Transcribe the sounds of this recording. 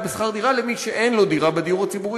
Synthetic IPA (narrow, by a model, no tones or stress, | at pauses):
besχaʁd̪iʁalemiʃeʔejnlo̞d̪iʁabed̪ijuʁhat͡sibuʁi